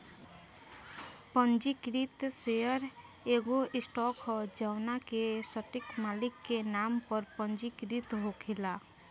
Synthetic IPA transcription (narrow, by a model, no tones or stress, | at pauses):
pənd͡ʒikɾit̪seəɾ | eɡoɪsʈɔkʰd͡ʒəwnakesəʈikmalɪkːenampəɾpənd͡ʒikɾit̪ɦokʰila